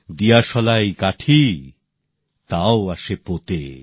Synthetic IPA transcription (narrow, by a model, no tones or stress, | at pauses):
d̪ijaʃɔlajkaʈʰi | t̪aoaʃepot̪ḛ